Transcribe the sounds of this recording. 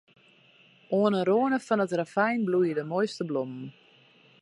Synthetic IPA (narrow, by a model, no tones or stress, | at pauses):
ʔoənəroənəfɔnətrafɛjnblujədəmojstəblomn̩